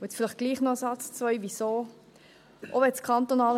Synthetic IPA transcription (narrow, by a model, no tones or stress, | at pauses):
ʊɛt͡sfɪlɪχɡ̥liːχnɔəsɑt͡st͡svœʏvisoː | ʔɔbɛskʰɑnt̪onɑːl